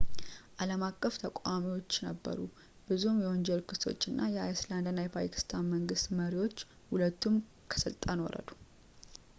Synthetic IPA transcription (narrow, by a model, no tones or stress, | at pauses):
ʔaləmakʼːəft̪ʰəkʷʼamiwo̞t͡ʃːnəbːə̰ɾu | b̥ɨzumjɛond͡ʒɛlkʰɨst̪o̞̰t͡ʃːɨnːʔajɛajsland̪nːajɛpʰa̰jkʰi̥st̪ʰanməŋɡɨst̪məɾiwo̞t͡ʃː | hulət̪ʰːum | kʰə̥sɨlt̪ʼːano̰ɾə̰d̪u̥